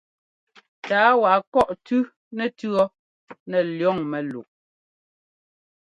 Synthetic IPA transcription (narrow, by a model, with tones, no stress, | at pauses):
taː˨˦wa˨kɔ˦˨ʔtʉ˦ | nɛ˨tʉ˦ɔ˦ | nɛ˨ljɔ˦˨ŋmɛ˨lṵ˨ʔ